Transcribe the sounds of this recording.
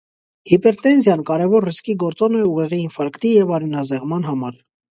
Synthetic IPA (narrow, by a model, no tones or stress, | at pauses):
hipɛɾt̪ɛnzjɑnkɑɾɛvɔɾriskiɡɔɾt͡sɔnɛuʁɛʁiːnfɑɾkt̪ijɛvɑɾɛnɑzɛʁmɑnɦɑmɑɾ